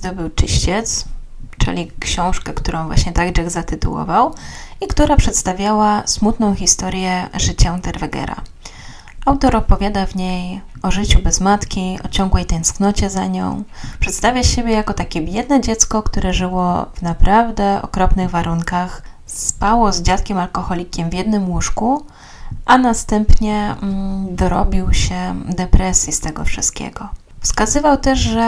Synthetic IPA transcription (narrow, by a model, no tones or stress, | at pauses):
zd̪ɔbɘwt͡ʂɘ̰ɕt͡ɕɛt̪st͡ʂɘ̰lʲikɕɔ̃w̃ʂkɛkt̪uɾɔ̃w̃vwa̰ɕɲɛt̪aɡɖ͡ʐɛɣzat̪ɘt̪ṵwɔ̰vawikt̪uɾapʂɛt̪st̪avʲjawasmut̪nɔ̃w̃xʲist̪ɔɾjɛʐɘt͡ɕant̪ɛɾvɛɡɛ̰ɾa̰ | ʔawt̪ɔɾɔpɔvʲjad̪avɲejɔʐɘt͡ɕubɛzmat̪kʲiɔ̰t͡ɕɔŋɡwɛjt̪ɛ̃nsknɔt͡ɕɛzaɲɔ̰̃w̃pʂɛt̪st̪avʲjaɕebʲjɛjakɔt̪akʲɛbʲjɛd̪nɛd͡ʑɛt̪skɔkt̪uɾʔɛʐɘwɔ̰vnapɾavd̪ɛɔ̰kɾɔpnɘɣvaɾuŋkaxsspawɔzd͡ʑat̪kʲɛmalkɔxɔlʲikʲɛmvʲjɛd̪̚nɘmwuʂku | ʔanast̪ɛmpɲɛ | d̪ɔɾɔ̰bʲiwɕɛd̪ɛpɾɛsʲjist̪ɛɡɔfʂɘst̪̚kʲḛɡɔ | fskazɘvawt̪ɛʐʐɛ